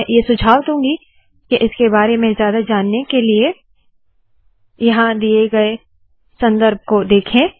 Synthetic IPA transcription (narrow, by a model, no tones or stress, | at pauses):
jesʊd͡ʒʱaːʋt̪ɦũːɡi | keʔɪskebaːɾemẽzjaːd̪ad͡ʒaːnːekelie | jɐɦãd̪ieɡɐe | sɐ̃nd̪əɾb̚kod̪eːkʰẽː